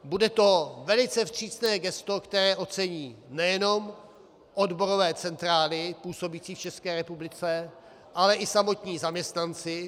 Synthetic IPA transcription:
budɛt̪o̞vɛlɪt͡sɛfr̝̥iːsnɛːɡɛst̪o̞kt̪ɛɾɛːʔo̞t͡sɛɲiːnɛjɛno̞m | ʔodbo̞ɾovɛːt͡sɛnt̪ɾaːlɪpuːso̞biːt͡siːft͡ʃɛskɛːɾɛpublɪt͡sɛ | ʔalɛʔɪsamo̞t̪ɲiːzamɲɛst̪nant͡sɪ

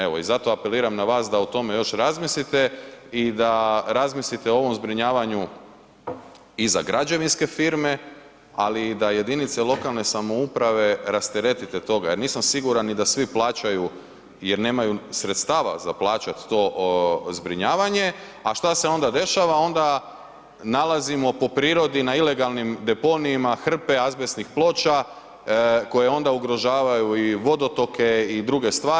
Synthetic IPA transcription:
e̞ʋo̞izat̪o̞ape̞liːɾamnaʋaːsd̪aut̪o̞me̞jo̞ʃɾazmislit̪e̞id̪aɾazmislit̪eooʋo̞mzbɾiɲaːʋaɲu | izaɡɾad͡ʒeʋinske̞fiɾme̞ | alid̪aje̞d̪init̪selo̞kalˠne̞samo̞upɾaʋe̞ɾast̪eɾe̞t̪it̪et̪o̞ɡajeɾniːsamsiɡuɾanːid̪asʋiplˠaːt͡ʃaju | jeɾne̞ːmajusɾet̪st̪aːʋa̰za̰plˠaːt͡ʃat̪ːo̞zbɾiɲaːʋaɲe̞ | aʃt̪ase̞o̞nd̪ad̪e̞ʃaʋao̞nd̪a | nalˠazimo̞po̞pɾiːɾo̞d̪inaile̞ɡalˠnimd̪e̞po̞niːmaxr̩pe̞azbesnixplo̞ːt͡ʃa | ko̞jeo̞nd̪auɡɾo̞ʒaːʋajuiʋo̞d̪o̞t̪o̞ke̞id̪ɾuɡe̞st̪ʋaː

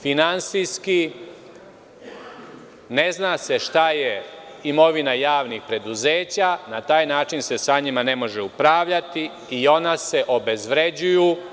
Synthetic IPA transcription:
finant̪sijski | ne̞znase̞ʃt̪aje̞ | imo̞ʋinajaːʋnixpɾe̞d̪uzeːt͡ɕanat̪aːjnaːt͡ʃinse̞saɲimane̞mo̞ʒeupɾaːʋʎat̪i | io̞nase̞ʔo̞be̞zʋɾe̞d͡ʑuju

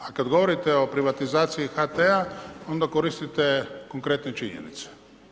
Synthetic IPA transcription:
akad̪ɡoʋo̞ɾit̪eo̞pɾiʋat̪izaːt̪sijixat̪eao̞nd̪akoɾist̪it̪ekoŋkɾet̪net͡ʃiɲḛnḭt̪se̥

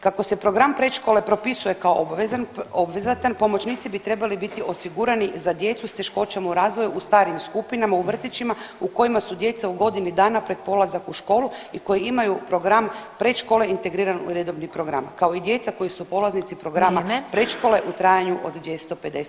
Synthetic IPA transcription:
kakose̞pɾo̞ɡɾampɾeʃko̞le̞pɾo̞pisuje̞kaoobʋezanobʋezat̪anpo̞mo̞t͡ʃniːt̪sibit̪ɾe̞balibit̪iʔo̞siɡuɾanizad̪je̞t̪sust̪e̞ʃko̞t͡ʃamauɾaːzʋo̞juːst̪aːɾimskupinamauʋr̩t̪it͡ɕimauko̞jimasud̪je̞t̪sauɡo̞d̪inid̪aːnapɾe̞t̪̚po̞lazakuʃko̞ːlˠuikojiimajupɾo̞ɡɾampɾe̞t̪ʃko̞le̞int̪e̞ɡɾiːɾanṵɾed̪o̞ʋnipɾo̞ɡɾa̰mkao̞id̪je̞t̪sako̞jisupo̞laznit̪sipɾo̞ɡɾamapɾe̞ʃko̞ːle̞ʔut̪ɾaːjaɲuʔod̪d̪ʋje̞st̪o̞pe̞d̪es

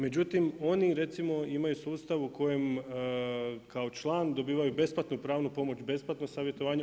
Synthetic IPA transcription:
me̞d͡ʑut̪imo̞niɾe̞t̪simo̞imajusuːst̪aʋuko̞jem | kʰao̞t͡ʃlˠaːnd̪o̞biːʋajube̞splˠat̪nupɾaːʋnupo̞mo̞t͡ɕbe̞splˠat̪nosaːʋje̞t̪o̞ʋaːɲe

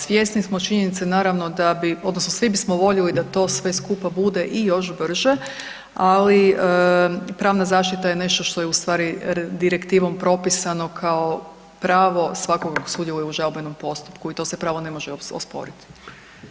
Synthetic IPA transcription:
sʋje̞st̪nismo̞t͡ʃiɲenit̪senaːɾaʋno̞d̪abiod̪nosnosʋibismoʋo̞ʎilid̪at̪o̞ːsʋe̞skuːpabud̪e̞ʔijo̞ʃbr̩ʒe | aliəpɾaːʋnazaːʃt̪it̪ajene̞ʃt̪o̞ʃt̪o̞jeust̪ʋaːɾid̪iɾe̞kt̪iːʋo̞mpɾo̞pisano̞kʰao̞ | pɾaːʋo̞sʋako̞ɡako̥suːd̪jelujeuʒalobeno̞mpo̞st̪u̥pkuit̪o̞ːsepɾaːʋo̞ne̞mo̞ʒeoo̰spo̞̰ɾit̪i̥

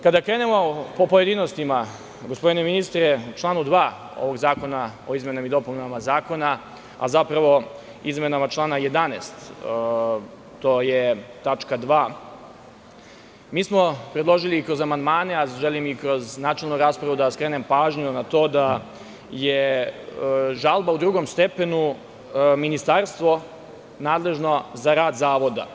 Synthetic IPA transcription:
kad̪akɾeːne̞mo̞popoje̞d̪inost̪ima | ɡo̞spo̞d̪ine̞minist̪ɾet͡ʃlˠaːnud̪ʋaː | o̰ʋo̞ɡzaːko̞nao̞izme̞namid̪o̞punamazaːko̞na | a̰zapɾaʋo̞ | izme̞namat͡ʃlˠaːnajed̪aneːst̪ | t̪oːjet̪at͡ʃkad̪ʋaː | miːsmo̞pɾed̪lˠo̞ʒilikɾo̞zamand̪maːne̞aʒelimikɾo̞znaːt͡ʃelˠnuɾaːspɾaʋud̪askɾeːnempaːʒɲunat̪o̞ːd̪a | je | ʒalˠbaud̪ɾuːɡomst̪e̞pe̞nu | minist̪aɾst̪ʋo̞ | naːd̪le̞ʒno̞zaɾaːd̪zaːʋo̞d̪a̰

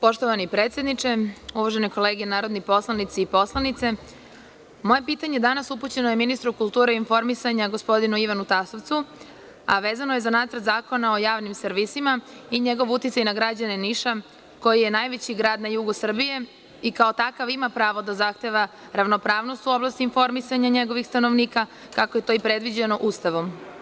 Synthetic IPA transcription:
po̞ʃt̪oʋanipɾe̞ːt̪sje̞d̪nit͡ʂe̞uʋaʒeneko̞leːɡenaːɾo̞d̪nipo̞slˠanit̪siːpo̞slˠanit̪se̞ | mo̞je̞piːt̪aɲe̞d̪anasuput͡ɕe̞noje̞minist̪ɾukulˠt̪uːɾeinfo̞ɾmisaɲaɡo̞spo̞d̪inuiʋanut̪asoʋt̪su | aʋeːzanoje̞zanaːt̪sɾt̪zaːko̞nao̞jaːʋnimsrʋisimaiɲe̞ɡo̞ʋut̪it̪sajnaɡɾad͡ʑane̞niʃa | ko̞jije̞najʋe̞t͡ɕiɡɾaːd̪najuɡusr̩bije̞ | ikao̞t̪akaʋimapɾaːʋo̞d̪azaxt̪e̞ʋa | ɾaʋno̞pɾaːʋno̞st̪uo̞blˠast̪iinfo̞ɾmisaɲaɲe̞ɡo̞ʋixst̪ano̞ʋniːka | kakoje̞t̪o̞ːipɾe̞d̪ʋid͡ʑe̞no̞ʔust̪aʋo̞m

